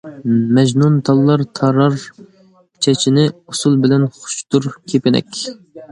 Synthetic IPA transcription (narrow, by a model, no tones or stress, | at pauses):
mɛd͡ʒnunt̪ʰɑlˠːɑɾt̪ʰɑɾɑɾ | t͡ʃʰɛt͡ʃʰinɪusulˠbɪlɛnχʊ̥ʃt̪uɾkʲʰepɪnɛ̰kʲ